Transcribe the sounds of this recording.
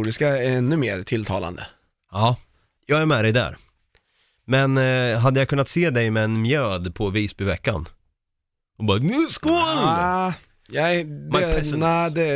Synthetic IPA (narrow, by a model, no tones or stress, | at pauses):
ɖɪskaɛnːɵmeːɾt̪ʰɪlt̪ʰɑ̰ːla̰nd̪ə̰ | ɑː | jɑːɡæɾmɛd̪ɛjd̪æ̰ːɾ | mɛnɦad̪ːəjakʰɵnːat̪seːd̪ɛjmɛɛnmjøːd̪pʰɔviːsbɪvɛkːa̰n | ɔbɑːnʉskoːl | jɑmaɛɛæd̪ɛ